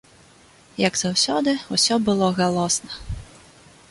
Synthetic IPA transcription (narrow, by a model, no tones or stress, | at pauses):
jɐɡzawsʲɔd̪ɨusʲɔbɨlˠɔɣalˠɔsnɐ